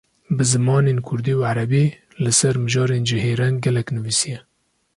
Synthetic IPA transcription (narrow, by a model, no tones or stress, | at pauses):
bɨzɨmɑːneːnkʰʊɾd̪iːuʕaɾɛbiː | lɨsɛɾmɨʒɑːɾeːnd͡ʒɪheːɾɛnɡɛlɛknɨviːsijɛ